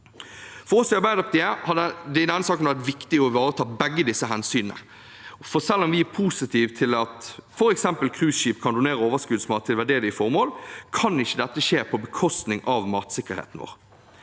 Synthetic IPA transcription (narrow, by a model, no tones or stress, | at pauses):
fɔʁɔsʋɪɑɾbæɪd̪ɑp̚d̪ɪehɑd̪ɛd̪ɛnːəsɑːkəm̩æʁd̪ɛʋɪkt̪ɪɔʋɑːɾət̪ʰɑːbɛɡːəd̪ɪsːəɦɛnsyːnənə̰ | fɔsɛlːɔmʋɪæpʰuːsɪt̪ʰiːʋt̪ʰɪlɑt̪fɔɾɛksɛmpəlkʰʁʉːsʃiːpkʰɑnd̪ʊneːɾəoːʋəskʉːd̪smɑːt̪ʰːɪlʋæɖeːd̪ɪfɔʁmoːlkʰɑnɪçːəd̪ɛt̪ːəʂeːpʰɔbəkʰɔst̪nɪŋɑʋmɑːt̪sɪkːəɾhḛːt̪ənʋo̰ːʁ